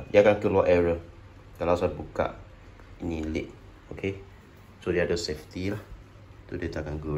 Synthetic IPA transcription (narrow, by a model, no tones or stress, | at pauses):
diakankulɔʔɛɹə | kalasaat̪̚buka̰ʔ | inilḭʔ̚ | okʰe | sodiadəsɛft̪ilah | t̪udet̪akanɡu